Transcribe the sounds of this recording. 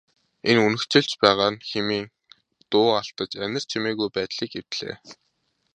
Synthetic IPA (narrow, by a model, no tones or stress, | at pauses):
enunɵ̆kt͡ɕɪ̆ɮt͡ɕpæːʁaːnxemiːŋ | t̪ʊːaɬt̪ə̆t͡ɕænʲɪ̆r̥t͡ɕʰimeːɣujpæːt̪ɮiːkew̥t̪ɮḛː